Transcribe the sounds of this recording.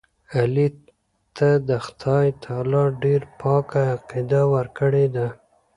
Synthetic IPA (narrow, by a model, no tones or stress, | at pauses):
ali | t̪ad̪əxt̪ʰɑjt̪ʰɑlɑɖeɾpʰɑkaːqid̪awəɾkəɽed̪a